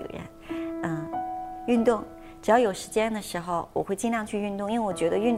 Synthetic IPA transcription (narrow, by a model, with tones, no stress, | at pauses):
jɛ̰˥˩nə˥˧˩y˥˧nt̪ʊ˥˩ŋ | ʈ͡ʂɻ̩˨˩jɑ˥˩jo˨˩ʊʂɻ̩˧˥t͡ɕjɛ˥nd̪ə˨ʂɻ̩˧˥xo˧ʊwɔ˨˩xwe˥˧ɪt͡ɕi˥˧nljɑ˥˧ŋt͡ɕʰy˥˧y˥˧nt̪ʊ˥˧ŋi˥we˥˩wɔ˨˩t͡ɕɥɛ˧˥d̪ə˧y˥˧nt̪